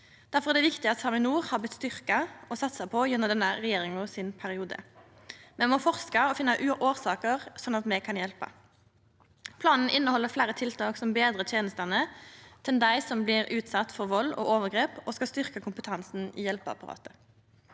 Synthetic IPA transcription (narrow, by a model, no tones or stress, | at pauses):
d̪̥æɾfɔɾɛd̪ɛːʋɪkt̪ɪɑt̪sɑmɪnuːʁhɑːblɪt̪st̪ʏʁkɑɔsɑt̪ːsɑɪpʰɔjɛnːɔmd̪ɛnːəʁɛjeːʁɪŋʊsɪnpʰæɾɪuːd̪ə̰ | mɛnmɔfɔʁskɑɔfɪnːɑʔʉʔoːʁsɑːkəʁsɔnːɑt̪mɛkʰɑnjɛlpɑ̰ | pʰlɑːnn̩ʔɪnːəhɔlːəflæːɾət̪ʰɪlt̪ʰɑːksɔmbeːd̪ʁət̪ʰjeːnəst̪ɑnət̪ʰɛnd̪æɪsɔmblɪʁʉːt̪sɑt̪ːfɔʁʋɔlːɔ̰ʔoːʋəʁɡʁeːpɔskɑst̪ʏʁkəkʰʊmpət̪ʰɑnsn̩iːjɛlpɑ̰pɑʁɑ̰ːt̪ə